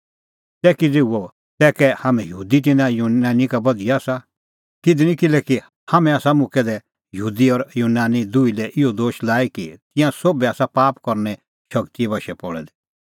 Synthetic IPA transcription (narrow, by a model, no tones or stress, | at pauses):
t̪ɛːkid͡zeːuɔ | t̪ɛːkɛhamɛ̃jɦuːd̪it̪̬ɪnãjuaːnikabɐd̪ijaaːsa | kɪd̪nĩkɪlɛki | hamɛ̃aːsamʊkʰɛd̪ɛ | jɦuːd̪iɔɾjuːnaːnid̪uilɛʔɪɔd̪oːʃlaːikit̪ɪ̃jãsoːbɛaːsapaːpkɔɾnɛ | ʃɐkt̪iɛbɐʃɛpɔɽɛ̰d̪ɛ